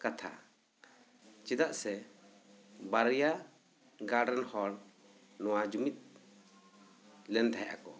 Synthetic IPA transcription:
kat̪ʰa̰ | t͡ʃɛd̪aʔsɛ | baɾja | ɡaɖanhɔɾ | nɔwad͡ʒumit̪̚ | lɛnd̪ʰʱajʔa̰kɔ

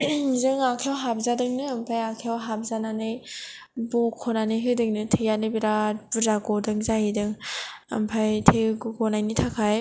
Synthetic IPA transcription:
zɯŋakʰawɦap̚zadɯŋnɯampʰajakʰiawɦap̚zananɯj | bɔkʰːɔnanɯjɦɯdɯŋnɯtʰɯjanɯbiɾabɯzaɡɔdɯŋzahidɯŋɐ̰mpʰajtʰeɡɯɡɔnajnitʰakʰaj

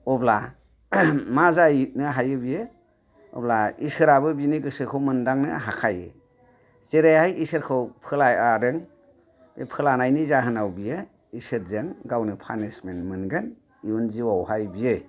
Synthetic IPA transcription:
ɔbla | mazajit̚nɯɦajɯbije | ɔ̰blaisɯɾabɯbiniɡɯsɯkʰɯwmɯndaŋnɯɦakʰajḛ | seɾejhajʔisɯɾkʰɯwpʰɯlajaɾɯŋ | bepʰɯlanajnizaɦɯnawbije | isɯɾ̚zɯŋɡawnɯpʰa̰nesmenmɯnɡɯn | iunziwawhajbije

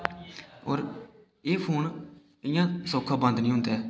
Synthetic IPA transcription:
oːɾ | eːpʰuːn | ɪjãːsoːkʰːaːbə̃nd̪nĩːʊ̃nd̪eː

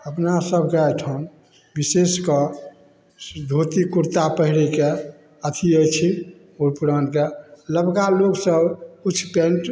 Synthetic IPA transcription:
əpnasəbʱkeajʈʰan | biseskə | d̪ʱot̪ikuɾt̪apəɦiɾike | ət̪ʰiəjt͡ʃʰi | oɾpuɾənkeləbkaloksəbut͡ʃʰːpẽnʈ

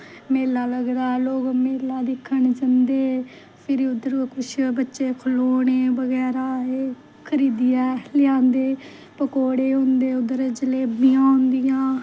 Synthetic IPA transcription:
meːlaːləɡɾaːloːɡmeːlaːd̪ɪkʰːəɳd͡ʒənd̪eː | pʰɪɾiʊd̪əɾkʊʃbətːʃeːkʰloːneːbəɡɛːɾaːeː | kʰəɾiːd̪ɪjɛːlɪãːnd̪eː | pəkoːɽeːɦʊ̃nd̪eːʊd̪əɾd͡ʒəleːbijãːɦʊ̃nd̪ɪjãː

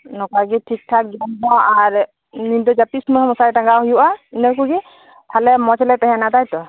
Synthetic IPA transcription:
nɔkaɡiʈʰik̚tʰak̚d͡ʒɔndɔaɾ | nindɔd͡ʒapismɔhɔmɔsaɾiʈaŋɡahujuʔainɛkuɡi | t̪ʰalɛmɔt͡ʃʰɛlɛt̪ɛɦɛnat̪ajt̪ɔ

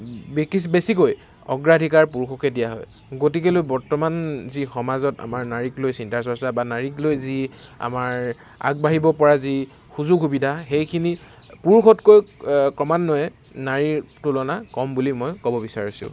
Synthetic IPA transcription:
bekibesikoj | ɔ̰ɡɹadʱikaɹpuɹkʰɔkɛdijaɦɔ̰j | ɡotik̬elojbɔɹtɔmanzixɔmazɔta̰maɹnaɹiklojsintaɹsɔsabanaɹiklojzia̰maɹ | a̰ɡ̚baɦibɔpɔɹazi | xuzuɡxubidʱaxejkʰini | puɹkʰɔtkojkɹɔmanːɔjɛ | naɹitulɔnakɔmbulimɔjkɔbɔbisaɹisʊ̰̃

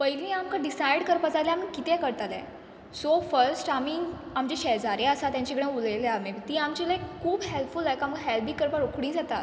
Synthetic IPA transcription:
pəjlĩamkaɖisajɽkəɾpad͡zaljamiːkit̪ɛ̃kəɾt̪alɛ̰̃ | sofəɾsʈamiː | amd͡ʑeɕɛd͡zaɾeəsat̪jãɲt͡ɕeɡɽ̃ẽulejleameʋt̪iːamt͡ɕelaekkʰːuːbɦelpfulajkamkaɦɛlbiːkəɾpaɽokʰɽĩd͡zat̪a

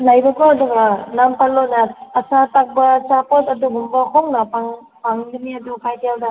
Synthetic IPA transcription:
lajbɐkʰɔɐduɡanampʰaɾlonɐːsatak̚bɐt͡ʃapotɐduɡumbɐhɔŋnɐpaŋ | paŋniniɐdukʰajtijawda

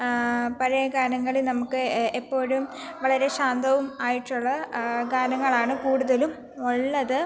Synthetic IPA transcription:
pɐɾeɡaːnɐŋːɐɭilnɐmukːɨepːo̞ːɻum | ʋɐɭɐɾe̞ɕaːnd̪ʱɐʋumaːjiʈːuɭːɐɡaːnɐŋːɐɭaːɳɨkuːɽuðɐlum | oɭːɐðɨ

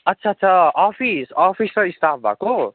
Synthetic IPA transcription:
ʌtːsʰaːt̪ːsʰʌɔpʰisɔpʰisɾʌist̪ʰapʰbʱa̰ko

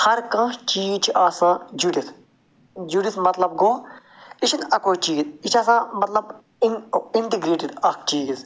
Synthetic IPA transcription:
hɐɾkãt͡ʃiːt͡ʃʰiʔaːsãːd͡ʒuːɖit̪ʰ | d͡ʒuɖit̪mɐt̪lɐb̚ɡoː | it͡ʃʰinɐkoːit͡ʃiːzit͡ʃʰaːsãːmɐt̪lɐb | iɳʈiɡɾeːʈɪɖɐkt͡ʃiːz

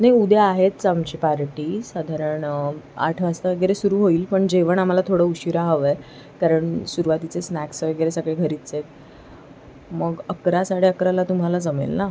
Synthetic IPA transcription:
najud̪ʱeaɦet̪t͡samt͡ɕipaɾʈiːsad̪ʱaɾəɾəɳa̰ʈʰʋast̪əʋəɡɭeɾesuɾuːɦoiːlpəɳd͡ʑeʋəɳam̤alat̪ʰoɽəuɕiɾaɦəʋəj | kaɾəɳsuɾuʋat̪it͡sesnæksʋəɡɭɾesəɡɭeɡʱəɾiːt̪t͡set̪ | məɡəkɾasaɽ̤eəkɾalat̪um̤alad͡zəmḛlna

